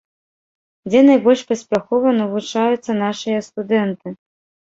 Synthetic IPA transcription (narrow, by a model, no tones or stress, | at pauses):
d͡zʲɛnajbɔlʲʂpɐsʲpʲaxɔvɐnɐvut͡ʂajut̪sːɐnaʂɨjɐst̪ud̪ɛnt̪ɨ